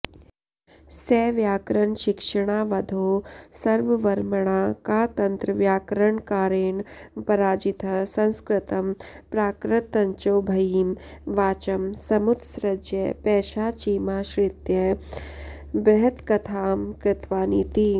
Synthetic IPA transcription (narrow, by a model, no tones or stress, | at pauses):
sɛːʋjaːkɾɐɳʃɪkʂɐɽ̃aːʋɐd̪ʱoːsɐɾʋɐʋɐɾmɐɳ̃aːkaːt̪ɐnt̪ɾəʋjaːkɾəɳkaːɾeːɳpɐɾaːd͡ʒit̪ʰɐsɐ̃nskɾɪt̪ɐmpɾaːkɾɪt̪ːɐɲt͡ʃoːbʱɐiːmʋaːt͡ʃɐmsɐmud̪sɾɐd͡ʒjɐpɛːʃaːt͡ʃiːmaːʃɾɪt̪jɐ | bɾɐɦɐt̪kɐt̪ʰaːmkɾɪt̪ʋaːniːt̪i